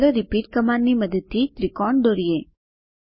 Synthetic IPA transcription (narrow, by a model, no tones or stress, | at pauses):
ɾəɾɪpiːʈ̚kɐmaːnːimɐd̪ət̪ːit̪ɾɪkɔːɳɖɖoːɾijeː